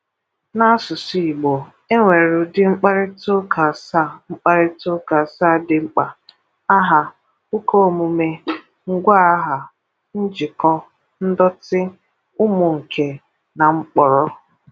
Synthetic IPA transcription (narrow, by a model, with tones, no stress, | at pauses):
na˦sʊ˨si˨i˨ɡ͡bo˨ | e˦ŋʷe˨ɾʊ˨dɪ˦ŋ͡m̩˦k͡pa˦ɾɪ˦to˦kʰa˨sa˦˨ŋ͡m̩˦k͡pa˦ɾɪ˦tʊ˦ka˨sa˦˨dɪ˨ŋ͡m̩˦k͡pa˨ | a˦ɦa˨ | ʊ˦ko˦˨mʊ˨me˦ | ŋ̩˦ɡʷa˦a˦ɦa˨ | n̩˦d͡ʒɪ˨kɔ˦ | n̩˦dɔ˦tɪ˦ | ʊ˦mʊ˨ŋ̩˨kʰe˨ | na˨ŋ͡m̩˦k͡pɔ˨ɾɔ˦